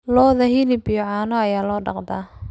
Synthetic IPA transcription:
lɔːðɐhɪlɪbɪjɔʕaːnɔɐjaːlɔːɖɑ̰qd̪a

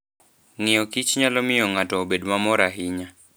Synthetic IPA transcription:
ŋɪjɔkit͡ʃɲalɔmɪjɔŋatɔːbedmamɔɾaɦɪɲa

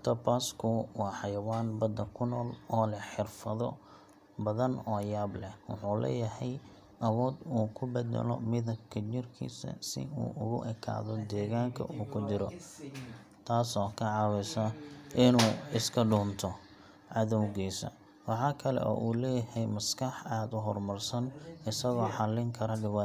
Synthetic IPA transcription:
t̪ʰɐpaːskʰʊwɑːħɑjɐwaːnbɐd̪ɐkʰʊnɔːlɔːlɐħɪrfɐðɔ | bɐðɐnɔːjaːblɛhwɑħuːlɛ̰ːjɐhɛj | ʔɐwɔːd̪uːkʰʊbɛd̪ɛ̰lɔ̰mɪðɐbkʰɐt͡ʃɪrkʰḭːsɐ̰sɪ̰ṵːʔʊɣʊ̰ʔɛkʰa̰ːðɔd̪ɛːɣaːŋkʰɐ̰ʔuːkʰʊt͡ʃɪɾɔ | t̪ʰaːsɔːkʰɐʕɑwɪsɐʔɪnuːɪskʰɐɖuːnt̪ʰɔ | ʕɑðɔwɣiːsɐ̰ | wɑħɑːkʰɐlɛ̰ʔɔ̰ːʔuːlɛːjɐhɛjmɐskʰɐħaːd̪ʊɦɔrmɐrsɐnɪsɐɣɔːħɑlɪŋkʰɐɾɐɖɪwɑ

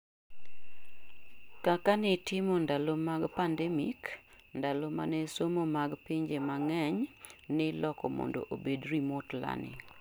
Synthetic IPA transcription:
kakanɪtɪmondalomaɡpandɛmik | ndaloma̰nɛsomomaɡpiɲd͡ʒemaŋɛɲnɪlɔkɔ̰mɔ̰ndo̰ʔobedɾimotla̰nɪ̰

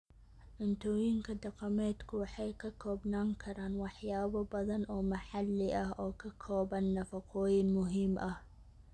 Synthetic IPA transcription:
ʔʊnt̪ʰɔːjɪŋkʰɐd̪ɑqɑmɛːd̪kʰʊwɑħɑjkʰɐkʰɔːbnaːŋkʰɐɾaːnwɑħjaːβɐbɐðɐnɔːmɐħɑlːɪʔɐɦɔːkʰɐkʰɔːβɐnːɐfɐqʰɔːjɪnmʊɦiːmʔɐh

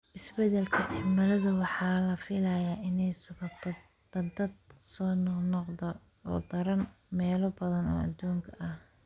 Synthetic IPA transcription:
ʔɪsbɛd̪ɛlkʰɐʔɪmɐlɐðʊwɑħɑːlɐfɪlɐjaːʔɪnɛjsɐβɐbt̪ʰ | d̪ɐd̪ɐd̪̚sɔːnɔnɔqd̪ɔ | ɔ̰ːd̪ɐɾɐn | mɛːlɔbɐðɐnɔ̰ːɐ̰d̪uːŋkʰɐʔɐh

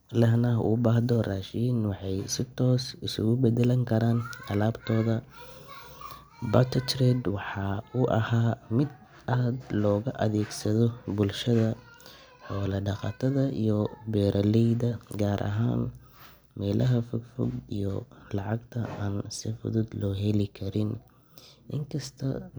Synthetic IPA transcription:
lɐɦnɐʔʊ̰baːhd̪ɔraːʃiːnwɑħɑjsɪt̪ʰɔːsɪsʊ̰ɣʊbɛd̪ɛlɐŋkʰɐɾaːnɐlaːbt̪ʰɔːðɐ | bɐt̪ʰɪt̪ʰrɛd̪wɑħɑʊʔɐ̰haːmɪd̪ | aːd̪lɔːɣɐʔɐðɛːɡsɐðɔbʊlʃɐðɐ | ħɔːlɐɖɑqɑ̰ːt̪ʰɐðɐijɔbɛːɾʔɐlɛjðɐɡaːɾʔɐ̰ɦa̰ːn | mɛːlʔɐɦɐfʊɡfʊ̰ɡḭjɔlɑʕɑɡt̪ʰɐaːnsɪfʊ̰ðʊd̪lɔːɦɛlɪkʰɐɾɪn | ʔɪ̰ŋkʰɐst̪ʰɐ̰

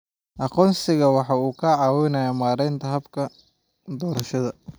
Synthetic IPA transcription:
ʔɑqɔːnsɪɣɐwɑħɑːuːkʰɐʕɑːwɪjnɐjamaːɾɛjnt̪ʰɐɦɐbkʰɐ | d̪ɔːɾɐʃɐðɐ

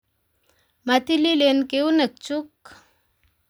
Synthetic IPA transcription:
mat̪ililenkeunək̚t͡ʃuk

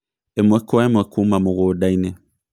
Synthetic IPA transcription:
emwɛkɔɛmɛkʰumãmõɣodainɛ̃

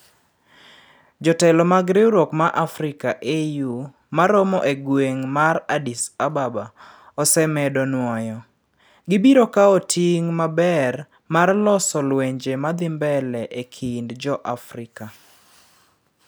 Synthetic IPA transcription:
d͡ʒɔtɛlɔmaɡɾɪwɾokmaʔafɾɪkaʔeju | maɾɔmɔʔeɡweŋmaradisababa | ɔsɛmɛdɔnwɔjɔ | ɡɪbiɾokaotʰiŋmabɛr | marlɔsɔlweɲd͡ʒemad̪ɪmbɛlɛʔekʰindd͡ʒɔʔafɾɪka

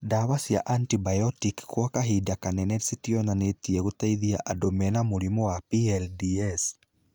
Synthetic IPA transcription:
dawasia̰ʔantibajɔtikkwakaɦidakanɛnɛsitiɔnanetiɛɣutaiðiaʔadomɛnamuɾimɔwapiɛldiɛs

